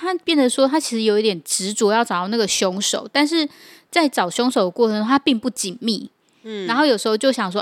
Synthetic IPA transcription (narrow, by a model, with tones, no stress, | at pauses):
t̪ʰa˦˥pjɛ˥˩nd̪ə˩ʂwɔ˥t̪ʰa˥t͡ɕʰi˧˥ʂ̩˧˥˩jo˨˩ʊi˥t̪jɛ˨˩nʈ͡ʂɻ̩˧˦˥t͡swɔ˧˦jɑ˥˩ʊʈ͡ʂɑ˨˩˦ɑ˥˧n˥˩ɡə˩ɕjɔ˧˥ŋʂo˨˩ʊt̪a˥˧nʂ̬ɻ̩˥˨ | t͡sa˥˩ɪʈ͡ʂɑ˨˩ʊɕjɔ˧˥ŋʂo˨˩ʊd̪ə˩kwɔ˥˩ɤ˧ŋ˥t̪ʰa˥pi˥˧ŋpu˥˩t͡ɕi˨˩nmḭ˥˨ | a˧˥nxo˥˩ʊjo˨˩ʂɻ̩˧˥xo˥˧ʊt͡ɕjo˥˩ʊɕjɑ˨˩ŋʂ̬wɔ˦